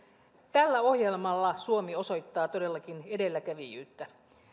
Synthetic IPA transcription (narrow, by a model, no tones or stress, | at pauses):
t̪ælːæo̞hje̞lmɑlːɑsuo̞mio̞so̞jt̪ːɑːt̪o̞de̞lːɑk̟ine̞de̞lːækæʋijy̰ːt̪ːæ